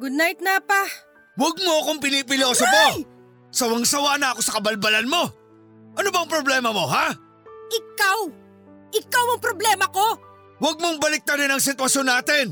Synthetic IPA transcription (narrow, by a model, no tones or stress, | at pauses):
ɡʊd̪̚najt̪̚napa | wɐɡ̚mo̞ɐkoŋpɪnip̬ɪlo̞ːsoko | sɐwɐŋsɐwanaʔɐko̞sɐkɐbɐlbɐlɐnmo̞ | ʔɐnobɐŋpɾoblɛːmɐmo̞ɦa | ʔɪkaw | ʔɪkawɐŋpɾoblɛːmɐko̞ | wɐɡ̚moŋbɐlɪk̚t̪ɐɾɪnɐŋs̬ɪt̪wɐsjo̞nːaːt̪ɪn